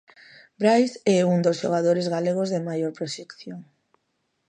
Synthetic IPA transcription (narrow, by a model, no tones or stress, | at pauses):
bɾajsɛuŋd̪osʃo̰ɣ̞aðoɾezɣaleɣ̞ozðɪmajoɾpɾoʃekθjoŋ